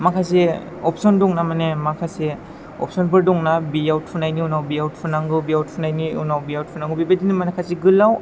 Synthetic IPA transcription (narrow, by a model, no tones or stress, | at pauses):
makʰas̬e | ɔpʰsɔndɔŋnamanemakʰase | ɔ̰psɔnpɯɾdɔŋnabijawt̚pʰunajniunawbiawt̚pʰunaŋɡɯbijawt̚pʰunajniunawbiawt̚pʰunaŋɡɯbibadinimanakʰasiɡɯlːaw